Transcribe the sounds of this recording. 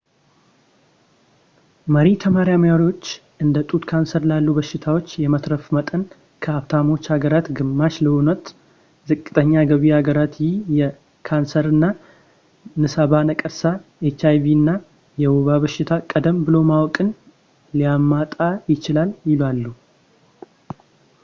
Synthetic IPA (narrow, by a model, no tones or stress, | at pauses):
məɾit̪ʰəmaɾjaməjaɾio̞t͡ʃː | ɨnd̪ət̪ʼut̪kʰansəɾlalːubəʃːɪt̪ʰawo̞t͡ʃːjɛmət̪ɾəfmət̪ʼən | kʰəaβt̪ʰamo̞t͡ʃːhaɡəɾat̪ɡɨmːaʃləunət̪ | zɨkʼːɨt̪ʼəɲːaɡəβiaɡəɾat̪jɪjɛ | kʰansəɾɨnːa | nɨsaβanəkʼəɾsaet͡ʃajviɨnːa | jɛwuβaβəʃɪt̪ʰakʼəd̪əmbɨlo̞mawɔkʼɨn | lijamːat̪ʼajɪt͡ʃɪlaljɪlwalːu